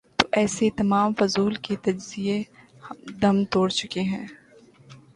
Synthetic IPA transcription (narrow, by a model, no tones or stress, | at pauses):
t̪oʔɛːset̪ɐmaːmfʊzuːlket̪ɐd͡ʒzie | hd̪ɐmt̪oːɽt͡ʃʊkeɦɛ̃ː